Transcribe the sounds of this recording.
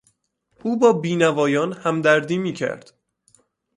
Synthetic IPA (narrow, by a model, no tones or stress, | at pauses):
ʔuːbɒːbiːnævɒːjɒːnhæmd̪æɾd̪iːmiːcʰæ̰ɾd̪̥